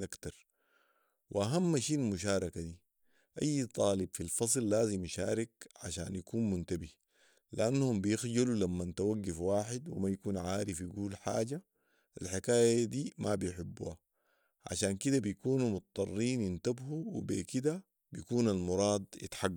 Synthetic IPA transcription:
ʔakt̪ɑɾˤ | wʔḭʔaɦamːaʃiːalmuʃaːɾˤɑkad̪i | ʔajːt̪ˤɑːlɪbfilfɑsˤlːaːzimaʃaːɾikʕa̰ʃa̰ːnjakuːnmunt̪abi | liʔanːhumbijɪxɟalulamːant̪awaɡːafwaːħɪd̪wḭmajakuːnʕaːɾifjiɡuːlħa̰ːɟa | alħɪkaːjaad̪iːmabijħɪbːṵːha | ʕa̰ʃaːnkid̪abijkuːnumʊt̪t̪ˤːɑrˤːiːnjɪnt̪abhuwḭbḛːkid̪a | bijakuːnalmʊɾˤɑːd̪ˤjɪ̰t̪ħaɡː

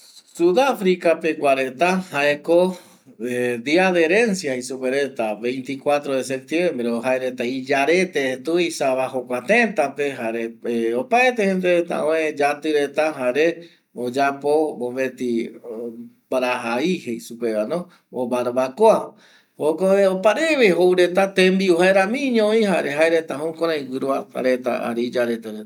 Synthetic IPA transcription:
suðafɾikapekʷaɾet̪ahaeko | ed̪iaðe̞ɾẽ̞nsjahisupeɾet̪aβẽ̞jnt̪ikwat̪ɾoðes̬ep̚t̪jembɾeoɦaeɾet̪aid͡ʒaɾe̞t̪et̪uisaβaɦokʷat̪ent̪ape̞ɦaɾeeopaet̪ehend̪eɾet̪a̰õẽd͡ʒat̪ɨɾe̞t̪aɦaɾe | od͡ʒapoboβe̞t̪i | baɾaɦaihejsupeβanõ | obaɾβakoa | hokoeopaɾeβeɦowɾe̞t̪at̪ẽmbiuhaeɾãmĩɲõĩhaɾeɦaeɾet̪aɦõkõɾ̃ãĩwɨɾuaa̰ɾet̪a̰a̰ɾeid͡ʒaɾet̪eɾe

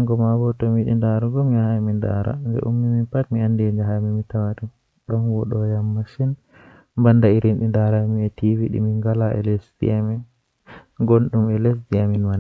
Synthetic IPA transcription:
aŋɡɔmabɔtɔmiɗḭndaɾuɡɔmiahaminda̰ɾa̰ndɛ̰ʔumːiminpatmiandɛd͡ʒaɦamimitawaɗu | ɗɔmwɔɗɔjamːaʃin | mbandaiɾinɗindaɾamiɛtiviɗḭmiŋɡalaʔɛ̰lesdḭamɛ | ɡonɗumɛles̬diaminman

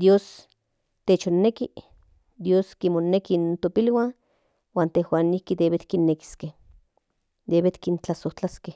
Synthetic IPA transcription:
d̪joːs | t̪eːt͡ʃonːeki | d̪joːskimonekint̪opilwan | waːnt̪ehwaːnihkid̪eβet̪kinːeki̥skeh | d̪eβet̪kint͡ɬasoht͡ɬaskeh

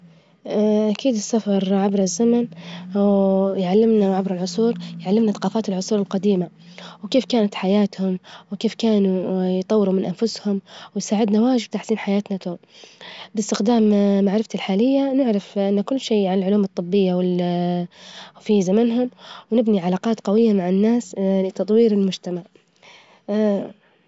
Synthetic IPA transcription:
ʔakiːd̪ɪsːafɑɾˤʕabɾˤɪzːamanwjʕalːɪmnaʕabɾɪlʕʊsˤuːɾjʕalːɪmnaθaqɑːfaːt̪ɪlʕʊsˤuːɾɪlqɑd̪iːma | wkeːfkaːnat̪ħajaːt̪hʊmwkeːfkaːnujt̪ˤɑwːɪɾumɪnʔanfʊshʊmwɪjsaːʕɪd̪nawaːʒɪb̚t̪aħsiːnħajaːt̪nat̪oːmbɪst̪ɪxd̪aːmːaʕɾɪft̪alħaːlɪjːanɪʕɾˤɑfʔɪnːakʊlːʃeːʕanalʕʊluːmɨt̪ˤːɨbːɪjːawɪl | fizamanɦʊmwnɪbniʕalaːqɑːt̪qɑwɪjːamaʕɪnːaːslɪt̪ɑt̪ˤwiːɾɪlmʊd͡ʒt̪amaʕ

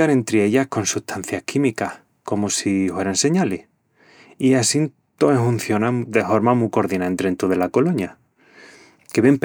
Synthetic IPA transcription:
anẽ̞nt̪ɾeeʎahko̞nsuht̪ʰan̟θjahkimikah | ko̞mosifwe̞ɾanse̞ɲaleh | iasin | t̪oehun̟θjo̞nãŋd̪e̞fo̞ɾmamuko̞ɾðinaent̪ɾent̪uðelako̞loɲa | keβemp

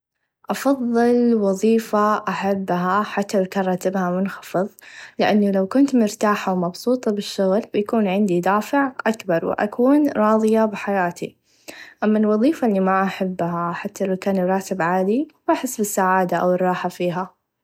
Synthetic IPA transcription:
ʔɑfɑðˤːɨlwɑðˤiːfaʔaħabːɦaħat̪ːawakaːnˤɾˤɑːt̪ɪbhamʊnxɑfɨðˤlɪʔanːalawkʊnt̪mʊɾt̪aːħawmɑbsˤuːt̪ˤɑbɪʃːʊɣlbjakuːnʕɪnd̪id̪aːfɪʕʔakbɑɾˤwɪ̰ʔa̰kuːnɾˤɑːðˤɨjabɪħajaːt̪ʰḭ | ʔamːalwɑðˤiːfalːimaʔaħabːɦaħat̪ːalawkaːnjɾˤɑːt̪ɪbʕaːd̪iwʔaħɪsːbɪsːaʕaːd̪aʔa̰wɪrˤːɑːħafiːɦa

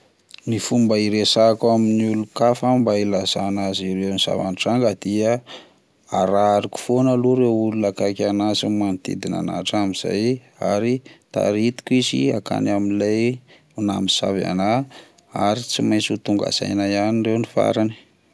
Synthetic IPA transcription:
nifumbaiɾesakaminiulukafambailazanaziɾewniz̥a̰va̰nʈ͡ʂaŋɡəd̪̥iə | aɾaaɾiku̥fonəluɾeululakakanazimant̪ḭd̪ina̰na̰ʈ͡ʂamiz̥a̰j | a̰ɾit̪a̰ɾit̪i̥kizḭaka̰naminlaj | una̰miz̥a̰va̰na | aɾit͡simajt͡sut̪uŋɡa̰z̥a̰jnaianinrewnifa̰ɾani̥

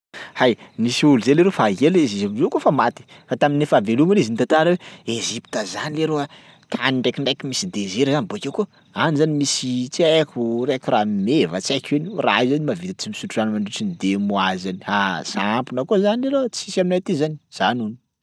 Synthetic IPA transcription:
hajnisiuluzeleɾofaɦelezizamizokofamat̪i̥ | fat̪aminefavelumanizinit̪at̪aɾaweezipi̥t̪əzanileɾoa | t̪ʰaniɳɖ͡ʐekʲiɳɖ͡ʐakimisid̪ezeɾzaniboakewku | anizanimisit͡siakurekʲuramimevət͡sakenira̰izanimavit̪t͡simisuʈ͡ʂuanmaɳɖ͡ʐiʈ͡ʂinid̪emuazanihasaampinəkozanileɾot͡sisiaminat̪izaniz̥anuni̥

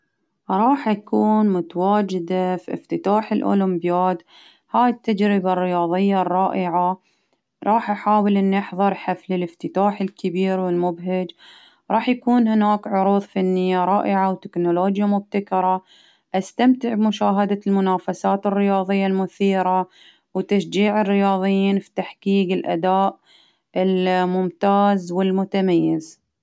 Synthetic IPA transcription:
ɾˤɑːħʔakuːnmʊt̪awaːd͡ʒɪd̪afiʔɪ̰ft̪ɪt̪aːħɪlʔʊ̰lʊmbjaːd̪ | haːjt̪ːad͡ʒɾɪbarːɪjɑːðˤɪjːarˤːɑːʔɪʕa | ɾˤɑːħʔaħaːwɪlʔɪnːaħðˤɨɾˤħaflɪlɪft̪ɪt̪aːħɪlkɪbiːɾwɪlmʊbɦɪd͡ʒ | ɾˤɑːħjakuːnhɪnaːkʕʊɾuːðˤfanːɪjːaɾˤɑːʔɪʕawt̪ɪknoloːd͡ʒjamʊb̚t̪akɑɾˤɑ | ʔast̪amt̪ɪʕbmʊʃaːɦad̪almʊnaːfasaːt̪ɪrːɪjɑːðˤɨjːalmʊθiːɾa | wt̪aʃd͡ʒiːʕɪrːɪjɑːðˤɨjːiːnfi̥t̪aħkiːɡɪlʔa̰d̪aːʔ | ʔɪlmʊmt̪aːzwɪlmʊt̪amajːɪz

